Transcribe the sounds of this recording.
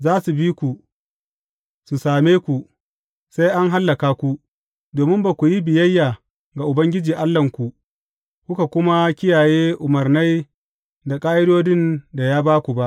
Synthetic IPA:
zaː˦su˨biː˦kʷu˨ | su˨saː˨meː˦kʷu˨ʔ | sa˦jʔa˦ŋɦa˦lːɐ˨kaː˦kʷu˦ | doː˨mɪ˦mba˨kʷu˨ji˦bɪ˨jɐ˦jːaː˨ | ɡa˨ʔʊ˨bɐ˦ŋɡʲɪ˦d͡ʒiː˨ʔa˦lːɐ˨ŋkʷu˨ | kʷʊ˦ka˨kʷʊ˦ma˦kʲɪ˦jaː˨jeː˦ʔʊ˨mɐ˨rna˦j | da˨kʼaː˦ʔɪ˦doː˦dɪ˦˨nda˨jaː˦baː˦kʷu˨ba˦ʔ

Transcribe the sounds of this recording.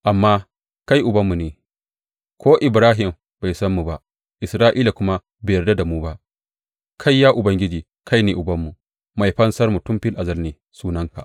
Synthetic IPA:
ʔa˨mːaː˦ | ka˦jʔʊ˨bɐ˦mːu˨neː˨ | kʰʷoː˦ʔɪ˨bɾaː˦ɦɪ˨m | ba˨jsɐ˦mːu˨ba˦ʔ | ʔɪ˨sɾaː˦ʔiː˦la˨kʷʊ˦ma˦ | beː˨jɐ˨rda˦da˨muː˦ba˦ʔ | kʰa˦jːaː˦ʔʊ˨bɐ˦ŋɡʲɪ˦d͡ʒiː˨ | kʰa˦jneː˨ʔʊ˨bɐ˦mːu˨ | ma˨jɸɐ˦nsɐ˦rmu˨tʊ˦mɸɪ˦lʔa˨zɐ˦lneː˨ | suː˦nɐ˦ŋka˨ʔ

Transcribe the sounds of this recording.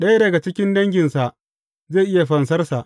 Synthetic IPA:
ɗɐ˦ja˦dɐ˨ɡa˨t͡ʃɪ˦kʲɪ˦ndɐ˦ŋɡʲɪ˨nsa˨ʔ | zeː˦˨jʔɪ˦ja˨ɸɐ˨ns̬ɐ˦rsa˨ʔ

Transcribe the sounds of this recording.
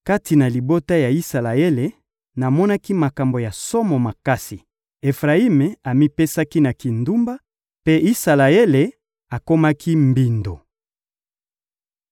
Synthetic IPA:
ka˦ti˨na˨li˨bo˦ta˦ja˨i˦sa˨la˨e˦le˨ | na˨mɔ˦na˦ki˦ma˨ka˨mbo˨ja˨so˦mo˨ma˨ka˦si˨ | e˨fʁa˨i˦me˨a˨mi˦pe˦sa˦ki˦na˨ki˨ndu˦mba˦ | pe˦i˦sa˨la˨e˦le˨ | a˨ko˦ma˦kʰi˦mbi˨ndo˨

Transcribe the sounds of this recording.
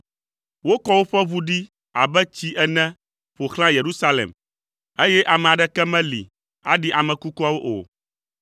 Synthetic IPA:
wo˦kɔ˦wo˦ɸɛ˦βu˦ɖi˦ | a̰˨bɛ˦t͡ɕi˦ʔɛ˦nɛ̃˦ | ɸo˨xl̃ã˦je˨ɾu˦sa˦lḛ˨m | e˦jɛ˦ʔa˨mɛ̃˨a˨ɖɛ˦kɛ˦mɛ̃˦lḭ˨ | a̰˦ɖi˦ʔa˨mɛ̃˨ku˦kɔ˦a˦wo˦ʔo̰˨

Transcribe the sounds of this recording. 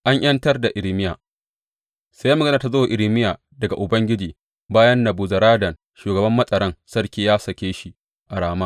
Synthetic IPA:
ʔa˦ɲʔj̰ɐ˦ntɐ˦rda˨ʔɪ˨ɾmɪ˦jaː˨ | sa˦ja˦mɐ˨ɡɐ˦na˨ta˨zo˦a˨ʔɪ˨ɽɪ˦mɪ˦jaː˨ | dɐ˨ɡa̰˨ʔʊ˨bɐ˦ŋɡʲɪ˦d͡ʒiː˨ | baː˦jɐ˦nːɐ˨buː˨zɐ˨ɾaː˦dɐ˨n | ʃuː˨ɡɐ˨bɐ˦mːɐ˦sʼɐ˨ɾɐ˦nsɐ˦ɽkʲiː˦jaː˦sɐ˨kʲeː˦ʃi˦ | ʔa˨ɽaː˦maː˦

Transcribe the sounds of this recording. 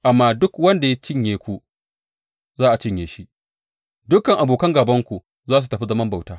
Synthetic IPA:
ʔa˨mːaː˦dʊ˦kwɐ˦nda˨ja˦t͡ʃɪ˦ɲjeː˨kʷu˦ | zaː˦ʔa˨t͡ʃɪ˦ɲjeː˨ʃi˦ | dʊ˦kɐ˨ŋʔa˨boː˨kɐ˦ŋɡaː˨bɐ˦ŋkʷu˨ | zaː˦s̬u˨tɐ˨ɸi˦zɐ˦mɐ˦mba˨wtaː˦

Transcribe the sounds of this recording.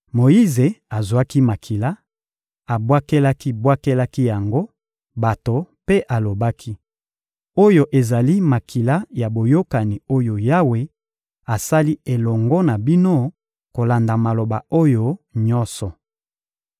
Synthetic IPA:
mo˨i˦ze˨a˨zwa˦ki˦ma˨kʰi˨la˦ | a˨bwa˦ke˦la˦ki˦bwa˦ke˦la˦ki˦ja˨ŋɡo˦ | ba˨to˨pe˦ʔa˨lo˨ba˦kʰi˦ | o˦jo˦ʔe˨za˨li˦ma˨kʰi˨la˦ja˨bo˨jo˦ka˨ni˨o˦jo˨ja˦we˨ | a˨sa˦li˦e˨lɔ˨ŋɡɔ˦na˨bi˦no˦ | ko˨la˨nda˨ma˨lo˨ba˨o˦jo˦ɲɔ˦nsɔ˨

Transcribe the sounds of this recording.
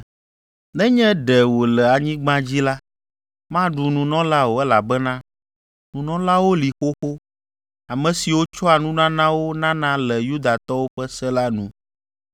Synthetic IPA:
nɛ̃˦ɲɛ̃˦ɖɛ˨wo˨lɛ˨a˨ɲĩ˦ɡ͡bã˦d͡ʑi˦la˦ | mã˦ɖu˨nũ˨nɔ̃˦la˦wo˨ɛ˦la˨bɛ˦nã˦ | nũ˨nɔ̃˦la˦wo˦li˨xo˦xo˦ | a˨mɛ̃˨si˨wo˦t͡ʃɔ˦a˨nũ˦nã˦nã˦wo˦nã˦nã˦lɛ˨ju˦d̪a˨t̪ɔ˦wo˦ɸɛ˦sɛ˦la˦nũ˨

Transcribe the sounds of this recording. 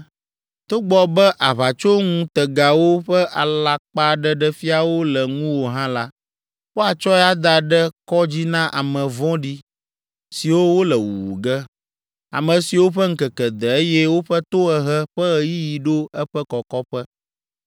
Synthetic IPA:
t̪o˦ɡ͡bɔ˦bɛ˦ʔa˨βa˨t͡ʃo˦ŋũ˦t̪ə˨ɡa˨wo˦ɸɛ˦ʔa˨la˨k͡pa˦ɖɛ˦ɖɛ˦fi˦a˨wo˦lə˨ŋũ˦wo˨ɦã˦la˦ | wo˦a˨t͡ʃɔ˦ɛ˦a˦d̪a˨ɖɛ˦kɔ˦d͡ʑi˦nã˦ʔa˨mə̃˨vɔ̃˦ɖi˦ | si˨wo˦wo˦lə˨wu˨wu˨ɡɛ˦ | a̰˨mə̃˨si˨wo˦ɸə˦ŋ̩˦kɛ˨kɛ˨d̪ə˨e˦jɛ˦wo˦ɸɛ˦t̪o˦ɛ˨ɦɛ˦ɸɛ˦ɣji˦ji˨ɖo˦ɛ˦ɸɛ˦kɔ˨kɔ˦ɸɛ˦

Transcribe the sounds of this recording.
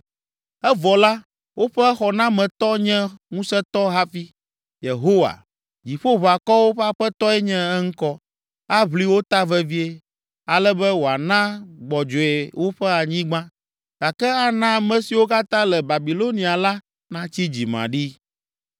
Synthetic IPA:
ɛ˦vɔ˨la˦ | wo˦ɸɛ˦xɔ˨nã˦mɛ̃˨t̪ɔ˦ɲɛ̃˦ŋũ˦sɛ˦t̪ɔ˦ɦa˦fi˦ | je˨ɦo˦wa̰˨ | d͡ʑi˨ɸo˦βa˨kɔ˦wo˦ɸɛ˦a˨ɸɛ˦t̪ɔ˦ɛ˦ɲɛ̃˦ɛ˦ŋ̩˦kɔ˦ | a˦βli˦wo˦t̪a˦vɛ˦vi˦e˦ | a˨lɛ˦bɛ˦wo˨a˨nã˦ɡ͡bɔ˨d͡ʒɔ˨e˨wo˦ɸɛ˦a˨ɲĩ˦ɡ͡bã˦ | ɡ̥a˨kɛ˦a˦nã˦˨mɛ̃˨si˨wo˦ka˦t̪ã˦lɛ˨ba˨bi˨lo˦nĩ˨a˨la˦ | nã˦t͡ɕi˦d͡ʑi˨mã̰˨ɖi˦

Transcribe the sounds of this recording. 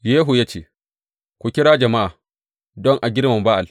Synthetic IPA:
jeː˦ɦu˨jaː˦t͡ʃḛː˦˨ | kʷu˨kʲɪ˦ɽaː˦d͡ʒɐ˨ma˦ʔaː˨ | dɔ˦ŋʔa˨ɡʲɪ˦ɾmɐ˨mba˦ʔa˨l

